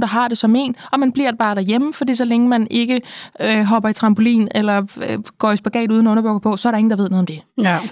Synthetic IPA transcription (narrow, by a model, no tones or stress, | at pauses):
d̥ɑ̈ɦɑ̈d̥e̝sɒ̽me̝̰ːnɒ̽mænb̥liɐd̥̚b̥ɑ̈ːd̥æjeməfɒd̥ḭːsɒ̽leŋəmæne̝ɡ̥əɦɒ̽b̥ɐit͡sʰʁɑ̈mb̥o̝lḭːnelɐɡ̥ɒ̰ːisb̥æɡ̥ɛ̰ːd̥uːð̞ˠnɒɔ̽nɐb̥ɔɡ̥ɐpʰɒ̽sɒ̽ɐɾɑe̝ŋn̩d̥ɑʋeðˠnðˠmd̥e̝